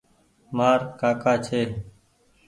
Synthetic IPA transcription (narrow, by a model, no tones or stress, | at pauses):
maːɾkaːkaːt͡ʃʰeː